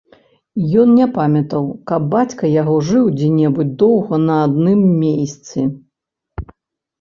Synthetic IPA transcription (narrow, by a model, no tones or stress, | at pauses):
jɔnnʲɛpamʲɐt̪ɐwkɐb̚ːat͡sʲkɐjaɣɔʐɨwd͡zʲɛnʲɛbut͡sʲd̪ɔwɣɐnɐad̪nɨmːʲejst̪sɨ